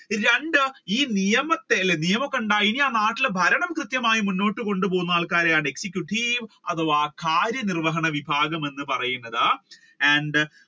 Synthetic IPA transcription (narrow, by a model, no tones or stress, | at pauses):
ɾeɳɖɨiːnijɐmɐt̪ːelenijɐmɐkːɐɳɖaːjiniaːnaːʈːilbʱɐɾɐɳɐmkrɨt̪jɐmaːjimunːo̞ːʈːɨko̞ɳɖɨpo̞ːunːɐaːɭkaːɾejaːɳe̞ksikʲjuʈːiːʋɐ̰ðoːʋaːkʰaːɾjɐnirʋɐɦɐɳɐʋibʱaːɡɐme̞nːɨpɐrɐjunːɐða | æɳɖɨ